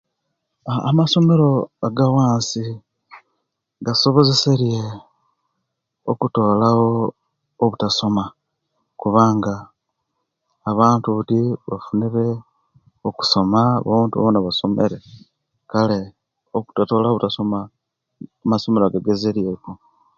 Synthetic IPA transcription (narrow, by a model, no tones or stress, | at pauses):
maso̞me̞ɾo̞aɡawaːnsi | ɡaso̞βo̞zese̞ɾje | okuto̞ːlawo̞ː | βutaso̞ma | kuβaːŋɡa | βaːntuβutiβa̰funiɾe̞ | oku̥so̞maβo̰βuːntuβa̰βonaβasomeɾe̞ | kale̞ | oku̥tato̞ːlaoβutaso̞ma | maso̞me̞ɾoaɡaɡe̞ze̞ɾje̞ko